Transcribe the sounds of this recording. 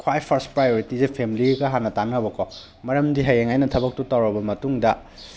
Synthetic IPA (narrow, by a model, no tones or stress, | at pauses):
kʰwajpʰɐɾstpɾajoɾitizepʰemiliɡɐɦanːɐtanɐbɐkʰo | mɐɾɐmdiɦajeŋajnɐtʰɐbɐk̚tutɐwɾɐbɐmɐtuŋdɐ